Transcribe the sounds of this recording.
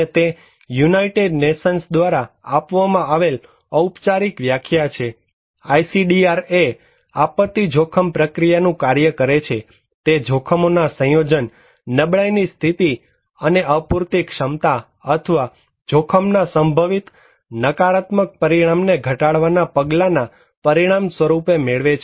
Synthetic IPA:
et̪e | junaiʈeɖneʃənsd̪ʋaɾaapʋamãaʋel | əupt͡ʃaɾikʋjakʰjat͡ʃʰe | ajsiɖiaɾe | apət̪ːid͡ʒʱokʰəmpɾəkɾijanũkaɾjəkəɾet͡ʃʰe | t̪ed͡ʒʱokʰəmonasə̃jod͡ʒənː | əbɭajnist̪ʰit̪i | əneʔəpuɾt̪ikʃəmt̪a | ət̪ʰəʋa | d͡ʒʱokʰəmnasəmbʱəʋit̪ | nəkaɾat̪mək̚pəɾiɽ̃amneɡʱəʈaɭʋanapəɡlana | pəɾiɽ̃amsʋəɾupemeɭʋet͡ʃʰe

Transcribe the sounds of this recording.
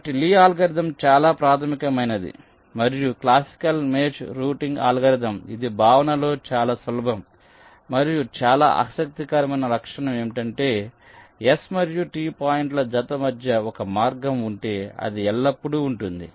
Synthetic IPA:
ɐʈiliːaːlɡɐɾid̪ɐmt͡ʃaːlaːpɾaːt̪ʰɐmikɐmɐjnɐd̪ḭ | mɐɾijuklaːsi̥kɐlmeːt͡ʃɾuːʈiŋɡa̰ːlɡɐɾid̪ɐmḭd̪ibʱaːʋɐnɐlo̞ːt͡ʃaːlaːsʋɐlɐbʱɐm | mɐɾijut͡ʃaːla̰ːʔɐ̰sɐk̚t̪ikɐɾɐmɐjnɐɾɐkʂɐɳɐme̞ːmʈɐɳʈe̞ː | esmɐɾijuʈiːpaːjiɳʈlɐd͡ʒɐt̪ɐmɐd̪ʱjɐɔkɐmaːɾɡɐmuɳʈe̞ːɐ̰d̪iɛlːɐpːuɽuːɳʈund̪ḭ

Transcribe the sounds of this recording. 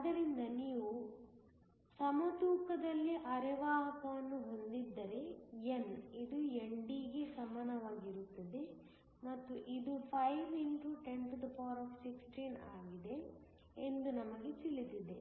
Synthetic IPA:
ɐd̪ɐɾind̪ɐniːʋu | sɐmɐt̪uːkɐd̪ɐlːiʔɐɾɛʋaːɦɐk̪ɐʋɐnːuɦo̞nd̪id̪ːɐɾe̞enid̪ueɳɖiɡe̞sɐmaːnɐʋaːɡiɾut̪ːɐd̪e̞ | mɐt̪ːuʔid̪upʰɐjʋiɳʈuʈe̞nt̪d̪ɐpaːɾɔːfsiksʈina̰ːɡid̪e̞ | end̪unɐmɐɡet͡ʃilːit̪id̪e

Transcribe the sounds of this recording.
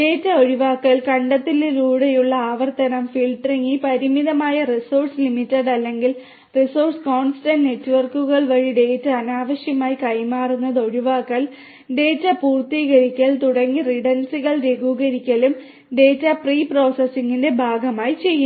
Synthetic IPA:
ɖe̞ːtːɐo̞ɻiʋaːkːɐlkɐɳɖɐt̪ːilːeɾuːɽɐjuɭːɐaːʋɐrt̪ɐnɐmfilʈriŋːipɐɾimiðɐmaːjɐrisoːrʈslimitːɐɖɐlːe̞ŋɡil | risorʈsko̞ːnstɐnne̞tːʋɐrkːuɣɐɭʋɐɻiɖe̞ːtːɐɐnaːʋɐɕjɐmaːjikɐjmaːrunːɐðo̞ɻiʋaːkːɐɭ | ɖe̞ːtːɐpuːrt̪iːɣɐɾikʲːɐɭt̪uɽɐŋːiriɽɐnsiɣɐɭɾe̞ɡuːɣɐɾikʲːɐlum | ɖe̞ːtːɐpriːpro̞ːsɐsːiŋɡinde̞bʱaːɡɐmaːjit͡ɕe̞jːu

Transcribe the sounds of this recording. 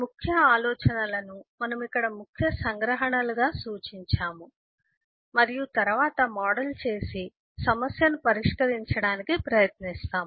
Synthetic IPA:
mukʰjɐaːlɔːt͡ʃɐnɐlɐnumɐnɐmikːɐɽɐmukʰjɐsɐŋɡɾɐɦɐɳɐluɡaːsuːt͡ʃiɲt͡ʃaːmu | mɐɾijut̪ɐɾuʋaːt̪ɐmaːɽɐlt͡ʃe̞ːsi | sɐmɐsjɐnupɐɾiʂkɐɾiɲt͡ʃɐɽaːnikipɾɐjɐt̪nist̪aːmu

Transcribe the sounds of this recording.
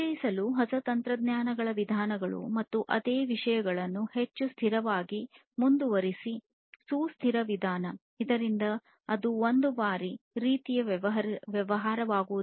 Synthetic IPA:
ɐjisɐluɦɐsɐt̪ɐnt̪ɾɐd̪njaːnɐɡɐɭɐʋid̪ʱaːnɐɡɐɭṵmɐt̪ːuʔɐd̪eːʋiʂɐjɐɡɐɭɐnːuhet͡ʃːust̪ʰiɾɐʋaːɡi | mund̪uʋɐɾisi | suːst̪ʰiɾɐʋid̪ʱaːnɐ | id̪ɐɾind̪ɐː | d̪uond̪ubaːɾiɾiːt̪ijɐʋjɛʋɐɦaːɾɐʋaːɡuʋu

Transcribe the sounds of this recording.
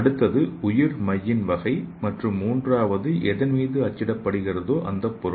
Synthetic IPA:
ɐɽɯt̪ːɐðɯʊjɪɾmɐjːɪnʋɐɣɐɪmɐʈrɯmːuːndraːʋɐðɯʔɛðɐnmiːðɯɐt͡ʃːɪɽɐpːɐɽɯɣɪrɐðoːʔɐnd̪ɐpːʊɾ

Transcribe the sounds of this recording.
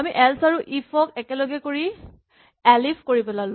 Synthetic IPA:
amiʔɛlsaɹuʔifʰɔkɛkɛlɔɡɛkoɹi | ɛlipʰkoɹipɛlal

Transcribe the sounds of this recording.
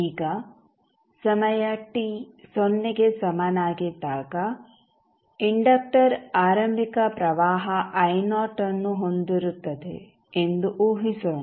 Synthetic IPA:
iːɡɐ | sɐmɐjɐʈisonːiɡesɐmɐnaːɡid̪aːɡɐ | iɳɖɐk̚ʈɐɾaːɾɐmbʱikɐpɾɐʋaːɦɐʔɐjnaːʈɐnːuɦond̪iɾut̪ːɐd̪ḛ | end̪uʔuːɦisɐ

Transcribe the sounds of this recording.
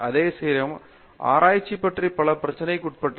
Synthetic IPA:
ɐðeːseːɾɐm | a̰ːɾʔaːjt͡ɕːipːɐʈripɐɭɐprɐt͡ɕːɐnɐjkːuʈpɐʈː

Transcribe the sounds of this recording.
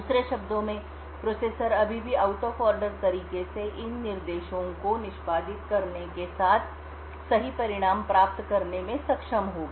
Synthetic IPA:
d̪uːsɾeʃɐbd̪õmẽ | pɾoːseːsəɾɐbʱibʱiaːʊʈofɔːɾɖəɾt̪ɐɾiːkeseʔɪnːɪɾd̪eːʃõkonɪʃpaːd̪ɪt̪̚kɐɾnekesaːt̪ʰ | sɐɦipɐɾɪɽ̃aːmpɾaːp̚t̪kɐɾnemẽsɐkʃəmɦoːɡ

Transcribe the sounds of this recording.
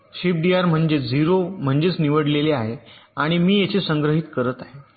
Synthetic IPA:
ɕip̚ɖiaɾm̤əɳd͡ʑed͡ziɾom̤əɳd͡ʑet͡sniʋəɽleleaɦeaɽ̃imiːjet͡ɕesəŋɡɾəɦiːt̪kəɾət̪aɦe

